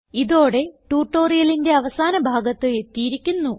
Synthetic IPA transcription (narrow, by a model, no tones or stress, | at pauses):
iðo̞ːɽe̞ʈuːʈːoːrijɐlinde̞ɐʋɐsaːnɐbʱaːɡɐt̪ːɨe̞t̪ːijiɾikʲːunːu